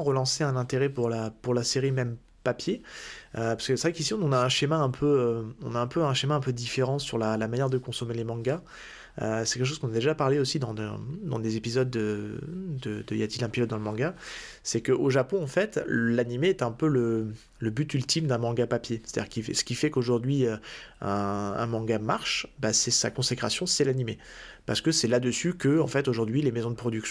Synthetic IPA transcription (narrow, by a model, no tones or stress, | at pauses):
ɑ̃ʁəlɑ̃seɛ̃nɛ̃t̪eʁɛpuʁlapuʁlaseʁimɛm | papjeøpḁskəsəʁɛkisiɔ̃ɔ̃naɛ̃ʃemaɛ̃pʰøøɔ̃naɛ̃pøɛ̃ʃemaɛ̃pød̪ifeʁɑ̃syʁlalamanjɛʁd̪əkɔ̃sɔmelemɑ̃ɡa | ø̰sɛ̥kʲɛlkəʃ̬ozkɔ̃nad̪eʒapaʁleosid̪ɑ̃d̪d̪ɑ̰̃d̪ezepizɔd̪ːə | d̪əd̪əjat̪ilɛ̃pizɔd̪ːɑ̃ləmɑ̃ɡa | sɛkəʔoʒapɔ̃ɑ̃fɛt̪lanimeɛt̪ɛ̃pølə | ləbyt̪ylt̪imd̪ɛ̃mɑ̃ɡapapjese̥t̪ad̪iʁkisə̥kʲifɛkoʒuʁd̪ɥiøɛ̃ɛ̰̃mɑ̃ɡamaʁʃbasɛsa̰kɔ̃sekχasjɔ̃sɛlanime | pa̰ʁsə̥kəsɛlad̪əsykəɑ̃fɛt̪oʒuʁd̪ɥilemezɔ̃d̪əpχɔd̪yksj̃